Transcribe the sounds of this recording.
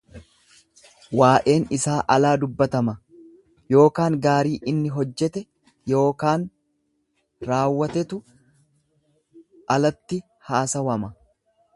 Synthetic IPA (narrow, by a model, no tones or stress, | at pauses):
waːʔe̞ːnɪsaːʔɐlaːd̪ʊbːɐt̪ɐmɐ | jo̞ːkaːŋɡaːɾiːʔɪnːɪɦɔd͡ʒːɛt̪ɛ | jo̞ːkaːn | ɾaːwːɐt̪ɛt̪ʊ | ʔɐlɐt̪ːɪ | haːsɐwɐmɐ